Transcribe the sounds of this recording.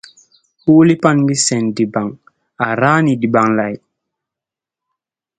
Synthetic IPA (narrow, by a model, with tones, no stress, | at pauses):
huː˦li˦pa˦nɡi˦sɛ˨ndi˨ba˨ŋ | a˨ɾaː˦ni˨di˨ba˨ŋla˨j